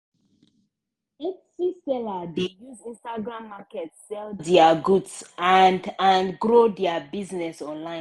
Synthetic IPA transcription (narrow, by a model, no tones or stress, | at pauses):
et͡ʃsisɛladejuzĩnstaɡɹãmːakɛtsɛldɛaɡudsandãnɡɹodɛabiznɛsɔ̃nlãɪ̃n